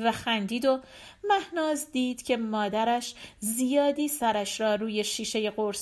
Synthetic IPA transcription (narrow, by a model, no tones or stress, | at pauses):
væxænd̪iːd̪o̞ | mæhnɒːzd̪iːd̪̥cʰe̞mɒːd̪æɾæʃzijɒːd̪iːsæɾæʃɾɒːɾuːje̞ʃiːʃe̞je̞ɣoɾs